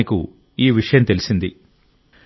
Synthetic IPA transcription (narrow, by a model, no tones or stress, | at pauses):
iku | iːʋiʂɐjɐmt̪elisind̪i